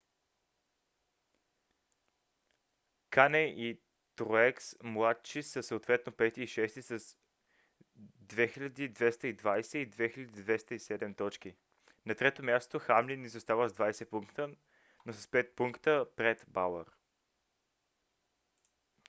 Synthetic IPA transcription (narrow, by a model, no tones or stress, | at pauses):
kanɛʔi | t̪ɾoɛksmlˠat̪t͡ʃisəsəot̪vɛt̪nopɛt̪iːʃɛst̪isəs | d̪vɛxilʲɐd̪id̪vɛst̪əid̪vajsɛid̪vɛxilʲɐd̪id̪vɛst̪əisɛd̪ɛmt̪ɔt͡ʃki | nɐt̪ɾɛt̪omʲjast̪oxamlinːizost̪avəzd̪vajsɛpuŋkt̪ə | nosə̥spɛt̪̚puŋkt̪əpɾɛt̪balˠə̰ɾ